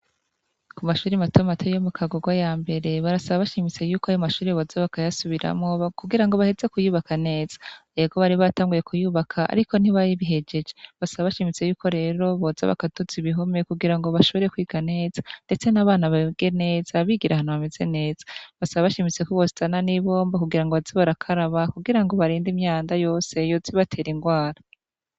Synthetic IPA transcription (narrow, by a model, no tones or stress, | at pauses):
kumaʃuːɾimatʰo̞matʰejomukʰaɡoɡwajaːmbe̞ɾe̞βaɾasaβaβaʃimit͡se̞juːkoajomaʃuːɾiβo̞zaβakajasuβiɾa̰mŋo̞kuɡiɾaŋɡo̞βahe̞ze̞kujuːβakane̞ːz̥ḁeɡo̞βaɾiβataːŋɡuje̞kʰujuːβakʰaa̰ɾiko̞n̥iβajiβiɦe̞d͡ʒe̞d͡ʒeβasaβaβaʃimit͡se̞juːko̞ɾe̞ːɾo̞βo̞za̰βa̰katoziβiɦo̞me̞kuɡiɾaŋɡoβaʃo̞βo̞ɾekwiːɡane̞ːzḁnde̞t͡se̞naβaːnaβaɡ̥e̞ne̞ːz̥aβiɡiɾahanuβamez̥e̞ne̞ːz̥ḁβasaβaβaʃimit͡sekoβositananiβo̞ːmbakuɡiɾaŋɡoβaziβaɾakʰaɾaβakuɡiɾaŋɡo̞βaɾiːndimɲaːndajo̞ːse̞joziβatʰe̞ːɾiŋɡwaːɾa